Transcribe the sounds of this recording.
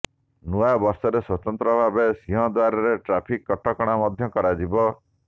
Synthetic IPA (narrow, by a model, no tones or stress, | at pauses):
nuabɔɾsɔɾeswɔt̪ɔnt̪ɾɔbʱabesiɦɔ̃d̪waɾɔɾeʈɾapʰikːɔʈɔkɔɽ̃amɔd̪ʱjɔkɔɾad͡ʒibɔ